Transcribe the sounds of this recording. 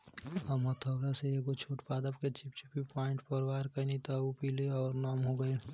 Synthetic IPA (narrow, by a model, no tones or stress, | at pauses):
əmət̪ʰəːɾaseekot͡ʃʰoːʈpaːd̪əpket͡ʃipt͡ʃipipɔːɪ̃ɳʈpəɾwaːɾkənit̪aupileɔːɾnɔːmɦoɡəe